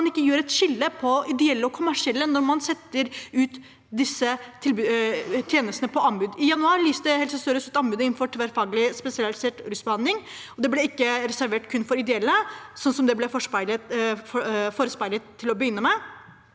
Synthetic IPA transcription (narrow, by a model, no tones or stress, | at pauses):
ɑnɪkːəjøːɾɛt̪ʃɪlːəpʰɔɪd̪ɛɛlːəɔkʰʊmæʂɪɛlːənɔɾmɑnsɛt̪ːəɾʉːt̪ | d̪ɪsːət̪ʰɪlbʉt̪ʰjeːnəst̪nəpʰɔɑmbʉːd̪ɪjɑnʉɑːɾlyːsəhɛlsəst̪œɾəsʉt̪ɑmbʉːd̪əɪnn̩fɔʈʰʋæɾfɑːɡəlɪspɛsɪɑlɪseːʈɾʉsbəhɑnlɪŋɔd̪ɛblɛɪkːəɾɛsæɾʋeːʈkʰʉnːfɔɾɪd̪ɛɛlːəsɔnːsɔmd̪ɛblɛfɔʂpæɪlə | foːɾəspæɪlət̪ʰːɪlɔbəjʏnːəmɛɪ